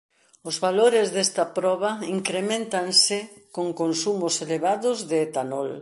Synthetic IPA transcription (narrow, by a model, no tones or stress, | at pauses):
ʊzβaloɾɪzðest̪ɐpɾɔβ̞aiŋkɾemẽnt̪ansɪkoŋkonsumʊseleβaðʊzðeːt̪anol